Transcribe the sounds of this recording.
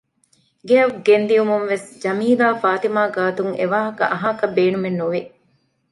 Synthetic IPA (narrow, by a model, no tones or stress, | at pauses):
ɡeɐɡend̪ijumunʋesd͡ʒɐmiːlaːfaːt̪imaːɡaːt̪uŋḛʋaːɦɐkɐ̰ʔɐɦaːkɐbeːnumenːuʋi